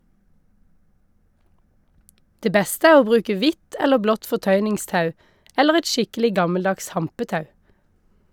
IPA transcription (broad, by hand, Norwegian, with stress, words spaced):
ˈdeː ˈbɛstə ˈæː ˈoː ˈbʁʉːkə ˈʋɪt ˈɛləʁ ˈblɔt fɔˈtœʏnɪŋˌstɑʉ ˈɛləʁ ˈɛt ˈʃɪkəlɪ ˈɡɑməlˌdɑks ˈhɑmpəˌtɑʉ